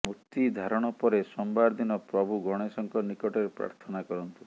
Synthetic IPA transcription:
mut̪id̪ʱaɾɔɽ̃ɔpɔɾesɔmbaɾd̪inɔpɾɔbʱuɡɔɽ̃esɔŋkɔnikɔʈeɾepɾa̰ɾt̪ʰɔnakɔɾɔnt̪u̥

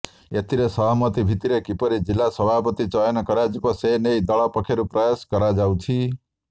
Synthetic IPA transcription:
et̪ʰiɾesʌmʌt̪ibʱit̪iɾekipʌɾid͡zilːasʌbʱapʌt̪it͡sʌenʌkʌɾad͡zikosenejd̪ʌɭʌpʌkʰeɾuprajaskʌɾad͡zawtʰi

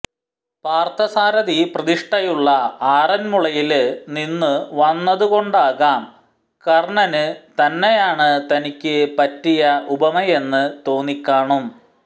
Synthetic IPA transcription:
paːrt̪ɐsaːɾɐðiprɐðiʂʈɐjuɭːɐaːrɐnmuɭɐjilninːɨʋɐnːɐðuɣo̞ɳɖaːɣaːm | kɐrɳɐnɨt̪ɐnːejaːɳɨt̪ɐnikʲːɨpɐtːijɐʔubɐmɐje̞nːɨt̪o̞ːnikʲːaːɳum

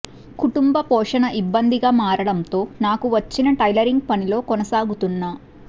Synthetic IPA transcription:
kuʈumbɐpɔːʂɐnɐʔibːɐnd̪iɡaːmaːɾɐɽɐnt̪o̞ːnaːkuʋɐt͡ʃːinɐʈɐjlɐɾiŋɡ̚pɐnilo̞ːkɔnɐsaːɡut̪unːaː

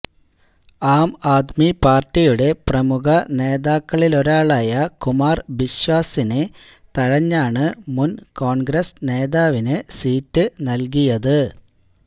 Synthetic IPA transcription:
aːmaːt̪mipaːrtːijuɽe̞prɐmuɣɐne̞ːðaːkːɐɭilo̞ɾaːɭaːjɐkumaːrʋiɕwaːsine | t̪ɐɻɐɲːaːɳɨmunko̞ːɳɡɾɐsne̞ːðaːʋinɨsiːtːɨnɐlk̬ijɐðɨ

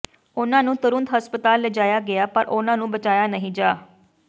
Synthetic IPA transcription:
ʊnãːnũːt̪ʊɾʊnt̪ɦəspət̪aːlːɛd͡ʒaːjaːɡɪaːpəɾʔʊnãːnũːbət͡ʃaːjaːnəɦĩːd͡ʒaː

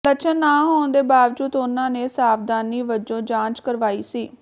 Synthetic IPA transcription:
t̪ət͡ʃʰənːaːɦoːnd̪eːbaːʋd͡ʒuːd̪ʊnãːneːsaːfd̪aːniːʋəd͡ʒõːd͡ʒãːt͡ʃkəɾʋaːiːsiː

